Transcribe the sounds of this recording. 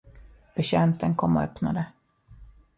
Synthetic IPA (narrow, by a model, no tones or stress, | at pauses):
b̥ɛɕɛnt̪ənkʰɔmːɔ̰œpna̰d̪ə